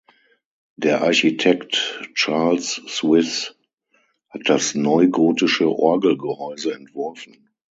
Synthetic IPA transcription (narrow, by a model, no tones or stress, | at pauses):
d̥eːɐʔaɐçitʰɛktt͡ʃaɐlsːwɪs | hat̚d̥asnɔʏɡoːtɪʃəʔɔɐɡl̩ɡəhɔʏzəɛntv̥ɔɐfn̩